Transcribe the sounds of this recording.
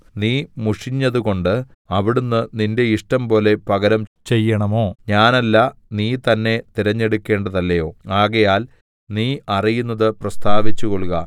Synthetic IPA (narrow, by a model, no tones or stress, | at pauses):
niːmuʂiɲːɐðuko̞ɳɖɨ | ɐʋiɽunːɨninde̞iʂʈɐmpo̞ːle̞pɐɣɐɾɐmt͡ɕe̞jːɐɳɐmo̞ːɲaːnɐlːɐniːt̪ɐnːe̞t̪iɾɐɲːe̞ɽukʲːe̞ːɳɖɐðɐlːɐjo̞ːaːɣɐjaːl | niːɐrijunːɐðɨprɐst̪aːʋit͡ɕːuɣoɭɣɐ